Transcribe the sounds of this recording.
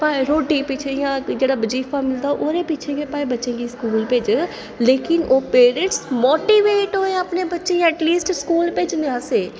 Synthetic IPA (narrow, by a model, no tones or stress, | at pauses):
paːeɾoːʈipɪt͡ʃʰejãːd͡ʒeːɽabəd͡ʒiːfamɪld̪aːoʔoɾepɪt͡ʃʰẽɡepaːebətːʃẽɡiskuːlped͡ʒ | leːkɪnoːpeːɾə̃ɳʈsmoːʈiːʋeːʈɦoːẽəpnebətːʃẽɛːʈliːsʈskuːlped͡ʒnẽãseː